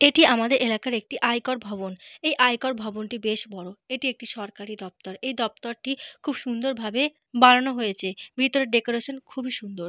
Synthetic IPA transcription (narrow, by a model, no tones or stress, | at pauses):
eʈiamad̪eɾʔelakaɾek̚ʈiʔajkoɾbʱɔbonejʔajkoɾbʱɔbonʈibeʃbɔɾoeʈiek̚ʈiʃɔɾkaɾid̪ɔp̚t̪oɾejd̪ɔp̚t̪oɾʈikʰubʃund̪oɾbʱabe | baɾanoɦojet͡ɕʰebʱit̪oɾeɾɖekoɾeʃonkʰubiʃund̪oɾ